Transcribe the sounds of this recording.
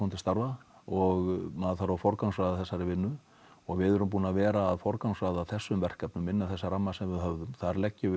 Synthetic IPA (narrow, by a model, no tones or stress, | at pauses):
ɔnt̪ɪ̥st̪aɾvaɔɣmaðθaɾafɔɾkawnsvaðaθɛsːaɾɪvɪnːʏ | ɔɣvɪðɛɾʏmp̬uːnavɛːɾaːðfɔɾkawnsvaðaðθɛsːʏmvɛr̥kapnʏmːɪnːaθɛsːaɾamːasɛmvɪðɦœvðʏmθaɾlɛcːɪvɪ